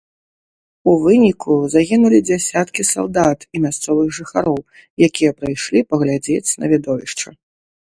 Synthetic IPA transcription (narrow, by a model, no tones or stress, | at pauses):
uvɨnʲikuzaɣʲinulʲid͡zʲasʲat̪kʲisa̰lˠd̪at̪imʲast̪sɔvɨɣʐɨxaɾɔw | jakʲijɐpɾɨjʂlʲipɐɣlʲad͡zʲet͡sʲnɐ̰vʲid̪ɔvʲiʂt͡ʂɐ